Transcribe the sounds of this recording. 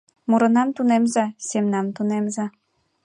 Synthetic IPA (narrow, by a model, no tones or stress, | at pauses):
muɾɤ̆nɑmt̪unemzɑsemnɑmt̪unemzɑ